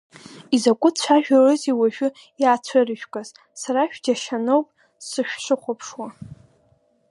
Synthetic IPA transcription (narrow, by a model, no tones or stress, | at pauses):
izakʷʼʊtt͡ɕʷʰaʒᶣarɨziwaʒᶣʊ | jaːt͡ɕʷʰarɨʒᶣkʼaz̥ | saɾaʃᶣd͡ʒaʃanowpʼ | sɨʃʷᶣʃʷɨχʷopʰʂwa